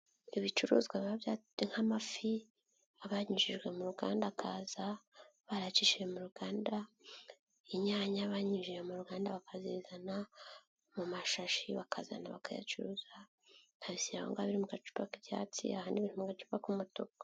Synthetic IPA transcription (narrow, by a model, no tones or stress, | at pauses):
iβit͡ʃuɾṵːzɡwaβaβja | ŋ̥hamafi | aβaɲiʒiʒɡwe̞muɾuɡa̰ːndakʰa̰ːzaβaɾat͡ʃiʃijemuɾuɡaːnda | iɲaːɲaβaɲiʒijemuɾuɡaːndaβakazizana | mumaʃaʃiβakaza̰na̰βa̰kaja̰t͡ʃuɾuːza | aβisiɾahoŋɡaaβiɾimuɡat͡ʃu̥pakiβja̰t͡sḭahaniβiːnhumuŋɡat͡ʃu̥pakumutoka